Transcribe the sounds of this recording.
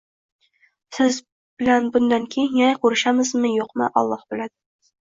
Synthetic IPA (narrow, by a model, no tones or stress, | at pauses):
sɪz | b̥ɪlanbʊnd̪aŋkʲʰejɪnjɑjqʰɵɾɪʃamɪzmɪjoqmɪ̰ʔɒ̰lˠːɑhb̥ɪlad̪ɪ